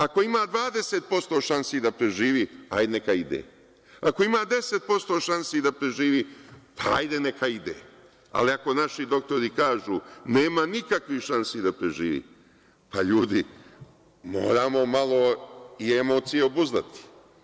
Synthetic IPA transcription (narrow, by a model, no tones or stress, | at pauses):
ako̞imaːd̪ʋaːd̪eset̪̚po̞st̪o̞ːʃansid̪apɾe̞ʒiːʋiajd̪enekaid̪ḛ | ako̞imaːd̪e̞set̪̚po̞st̪o̞ːʃansid̪apɾe̞ʒiːʋiːpʰaa̰jd̪e̞nekaid̪ḛː | a̰liako̞naʃid̪o̞k̚t̪o̞ɾikaːʒuːneːmanikakʋiʃansid̪apɾeʒiːʋḭː | paʎuːd̪i | mo̞̰ːɾaːmo̞malˠo̞iemo̞ːt̪sijeobuzd̪at̪i̥